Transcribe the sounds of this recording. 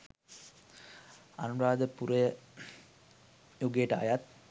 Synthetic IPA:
anuɾaːd̪əpuɾəjə | juɡejeʈəa̰jat̪̚

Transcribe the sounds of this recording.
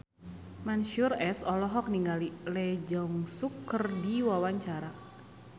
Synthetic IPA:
manʃurɛsɔlɔɦɔk̚niŋɡalilɛd͡ʒɔŋsukːərdiwawaɲt͡ʃaɾa

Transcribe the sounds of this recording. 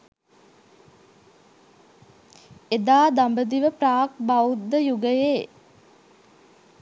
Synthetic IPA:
ed̪aːd̪ambəd̪iʋəpraːk̚bawud̪ːəjuɡəjeː

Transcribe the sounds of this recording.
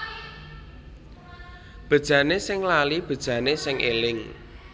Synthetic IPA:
b̥ə̤d̥ʒ̥ä̤nesɪŋlalib̥ə̤d̥ʒ̥ä̤nesɪŋʔelɪŋ

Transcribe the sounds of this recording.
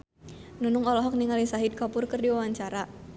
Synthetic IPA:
nunʊŋɔlɔɦɔk̚niŋalisaɦid̚kapʊrkɨrdiwawaɲt͡ʃaɾa

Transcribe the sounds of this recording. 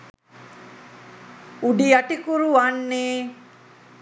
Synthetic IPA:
uɖiaʈikuɾuanːeː

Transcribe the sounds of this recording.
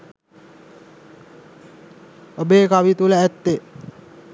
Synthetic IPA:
əbekawit̪ulaɛt̪ːe

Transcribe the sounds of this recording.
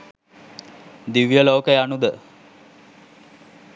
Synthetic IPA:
d̪iʋijəloːkəjanud̪ə

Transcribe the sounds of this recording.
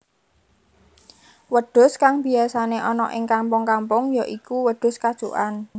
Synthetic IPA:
wəɖ̥ʊ̤skaŋb̥i̤asaneʔɔnɔʔɪŋkampʊŋkampʊŋjaʔikuwəɖ̥ʊ̤skad̥ʒ̥uʔan

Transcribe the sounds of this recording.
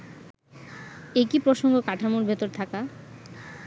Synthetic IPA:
ekipɾoʃoŋɡokaʈʰamoɾbʱet̪oɾt̪ʰaka

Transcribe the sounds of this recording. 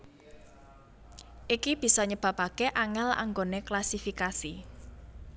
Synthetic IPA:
ʔikib̥i̤sɔɲəb̥ä̤pakeʔaŋɛla̰ŋɡoneklasifikasi

